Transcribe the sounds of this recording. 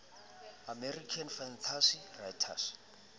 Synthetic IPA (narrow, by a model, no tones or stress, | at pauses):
amɛrikʰanfant̪ʰasirajtʰa̰s